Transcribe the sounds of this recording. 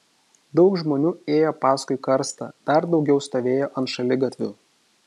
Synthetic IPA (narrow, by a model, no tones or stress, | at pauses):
d̪ɒʊkʒmoːnʲuːeːjoːpɑːskʊɪkɐɾst̪ɐ̰d̪̥ɐɾd̪ɒʊɡʲɛʊst̪oːʋʲeːjoːʔɐnt̪ʃɐlʲɪɡɐt̪ʲʋʲṵː